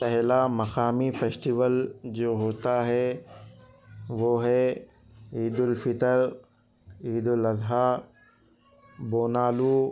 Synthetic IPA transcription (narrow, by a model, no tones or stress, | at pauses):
pɛɦlamɐxaːmifʰeːsʈiʋəld͡ʑoːɦoːt̪aɦɛ | ʋoːɦɛ | iːd̪ʊlfɪt̪əɾ | iːd̪ʊlɐzɦa | boːnaːluː